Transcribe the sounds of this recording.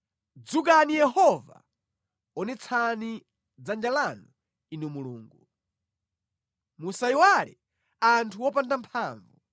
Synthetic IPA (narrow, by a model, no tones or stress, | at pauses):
d͡zuk̬anijɛɦɔva̰ | ɔnɛt͡sʰani | d͡zand͡ʒalanu | inɛmuluːŋɡu | musaiwalɛ̰ | antʰuwɔpandampʰaːɱvu